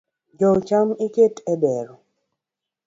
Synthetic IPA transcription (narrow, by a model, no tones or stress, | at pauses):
d͡ʒɔt͡ʃamiketɛbɛɾɔ